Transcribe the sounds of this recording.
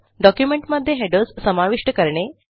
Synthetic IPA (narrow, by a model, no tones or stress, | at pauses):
ɖɔkjumeɳʈməd̪ʱːjeɦeɖəssəmaʋiʂʈəkəɾɳe